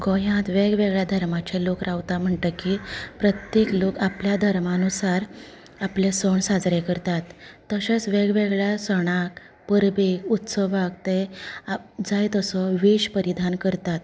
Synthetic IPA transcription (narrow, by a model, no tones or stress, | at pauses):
ɡɔjãt̪ʋeɡʋeɡɭjad̪ʱəɾmat͡ɕelokɾaʋt̪am̤əɳʈ̪əkipɾət̪jeklokapljad̪ʱəɾmanusaɾ | aplesəɳsad͡zɾekəɾt̪at̪ːəɕat͡sʋeɡʋeɡɭjasəɽ̃ak | pəɾbekut̪səʋakt̪e | d͡zajt̪əsɔʋeɕpəɾid̪ʱankəɾt̪at̪